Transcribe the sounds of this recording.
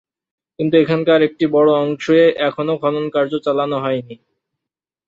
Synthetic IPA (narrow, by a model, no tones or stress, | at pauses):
kint̪uekʰankaɾek̚ʈibɔɽoɔŋʃoeʔɛkʰonokʰɔnonkaɾd͡ʑot͡ɕalanoɦɔeni